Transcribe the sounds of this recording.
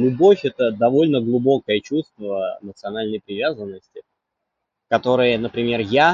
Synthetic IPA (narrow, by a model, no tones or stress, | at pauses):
lʲʊbo̞fʲɛt̪əd̪ɐvo̞lʲnəɡlˠʊbo̞kəjət͡ɕust̪və̰mət̪sɨɐnalʲnəjpɾʲɪvʲazənːəsʲtʲɪ | kɐt̪o̞ɾɨjənəpɾʲɪmʲe̞rja